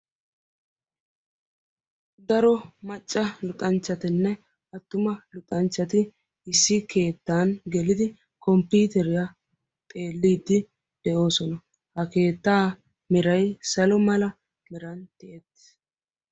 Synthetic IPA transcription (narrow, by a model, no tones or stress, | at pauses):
d̪ɐɾɔmɐt͡ʃʼːɐlʊt̪ʼɐnt͡ʃːɐt̪ɪnːɛ | ɐt̪ːʊmɐlʊt̪ʼɐnt͡ʃːɐt̪ɪ | ɪsːɪke̞ːt̪ːaːnɡɛlɪd̪ɪ | kɔmpiːt̪ɛɾɪja | t̪ʼe̞ːlːiːd̪ːɪ | d̪̥ɛʔo̞ːsɔnɐ | hɐke̞ːt̪ːaː | mɛɾɐjsɐlɔmɐlɐ | mɪɾɐnt̪ɪʔɛt̪ː